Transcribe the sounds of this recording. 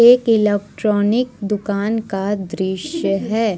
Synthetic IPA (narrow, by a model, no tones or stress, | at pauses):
eːkɪlɛːk̚ʈɾɔːnɪkd̪ʊkaːnkad̪ɾɪʃjəɦɛː